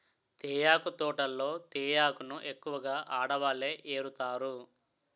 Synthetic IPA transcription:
t̪ɛːjaːkut̪ɔːʈɐlːo̞ːt̪ɛːjaːkunuʔe̞kːuʋɐɡaːʔaːɽɐʋaːleːʔeːɾut̪aːɾu

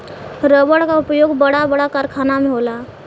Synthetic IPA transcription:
ɾəbəɽkaʊpjoːɡbəɽabəɽakaɾkʰaːnamẽɦoːlaː

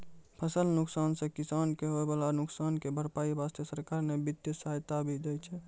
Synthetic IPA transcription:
pʰəsəlnʊksansẽkisankeɦoebalanʊksankebʱəɾpaːibast̪əsəɾkaɾnebit̪jəsəɦajt̪abʱid̪ɛt͡ʃʰɛ

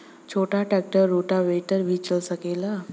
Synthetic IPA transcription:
t͡ɕʰoʈʰaʈɛk̚ʈəɾːuʈaʋeʈəɾbʱit͡ɕəlsəkela

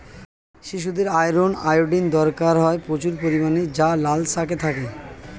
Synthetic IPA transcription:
ʃiʃ̬ud̪eɾajɾonajoɖind̪ɔɾkaɾɦɔepɾot͡ɕuɾpoɾimaned͡ʑalalsak̬et̪ʰake

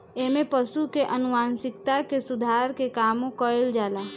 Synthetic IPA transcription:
eːmẽpəʃukeʔənʊʋaːnsɪkt̪akesʊd̪ʱaːɾkekaːmõkəeld͡ʒaːlaː

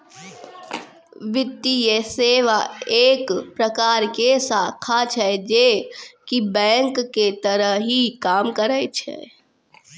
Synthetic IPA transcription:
ʋɪt̪ːijeseːʋaeːkpɾəkaːɾkesaːkʰat͡ʃʰɛd͡ʒekibɛ̃ːŋkːet̪əɾəɦɦikaːmkəɾət͡ʃʰɛ̰

